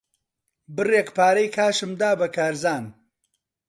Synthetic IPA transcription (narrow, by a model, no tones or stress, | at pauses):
bɨrekpaːɾɐjkʰaːʃɨmd̪aːbɐkʰaːɾzaːn